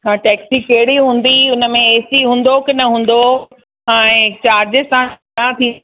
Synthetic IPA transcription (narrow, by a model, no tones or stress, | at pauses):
ɦaʈɛːksikɐɦɪɽiɦũːn̆d̪iʊnə̆mẽeːsiɦũːn̆d̪okɪnɐɦũːn̆d̪o | ɛ̃ːt͡ɕaːɾd͡ʑəsã | at̪ʰĩː